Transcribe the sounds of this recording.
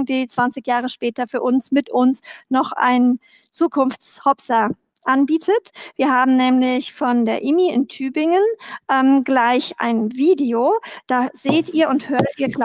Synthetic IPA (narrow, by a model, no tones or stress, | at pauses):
d̥iːt͡sv̥ant͡sɪçjaːʁəʃpɛːtɐfyːɐʔʊnsmɪtʊnsnɔχʔa̰ɪn | t͡suːkʰʊnft͡shɔpsɐ | ʔanbiːtʰətv̥iːɐhaːbm̩nɛːmlɪçfɔndeːɐʔɪmiɪ̰ntʰyːbɪŋənʔɛmɡlaɪçʔa̰ɪnviːdeoːd̥aːz̥eːtʔiːɐʊnthøːɐttiːɐɡl